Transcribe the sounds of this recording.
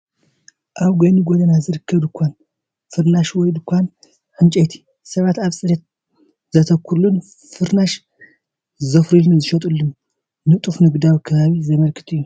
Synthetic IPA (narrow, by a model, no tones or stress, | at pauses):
ʔaβɡɐnuɡod̪ɐnazɨɾɨkʰːɐβd̪ɨkʰʷːan | fɨɾnaʃwɔjd̪ɨkʷʰːan | ħɨnt͡ʃʼɐt̪ʰi̥ | sɐβat̪aβsʼɨd̪ɐt̪̚ | zɐt̪ʰɐkʰːuɾlun | fɨɾnaʃ | zɐfɾilnɨzɨʃɐt̪ʼulːɨn | nɨt̪ʼufnɨɡd̪awikʰɐβaβizɐmɐlkʰɨ̥t̪ʰɨjːu